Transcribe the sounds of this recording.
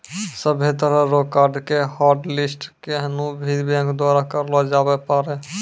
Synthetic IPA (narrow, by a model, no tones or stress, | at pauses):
səbʱet̪əɾəɾoːkaːɾɖkehaːɾɖlɪsʈkeɦnubʱid̪bɛ̃ŋkd̪waːɾakəɾlɔd͡ʒaːbepaːɾe